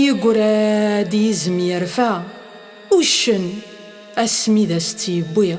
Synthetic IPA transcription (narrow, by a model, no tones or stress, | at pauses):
jəɡʷɾæd̪jizəmjəɾfæ | uʃən | æsmiðæst̪ːjəbːi